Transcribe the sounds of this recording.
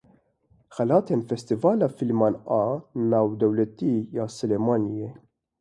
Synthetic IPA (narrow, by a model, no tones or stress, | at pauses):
xɐlɐt̪ɛnfɛst̪ɪvɐlɐfɪlmɐnʔɐnɐwd̪ɛwlɛt̪ːiːjɐsɛlɛmɐnjɛ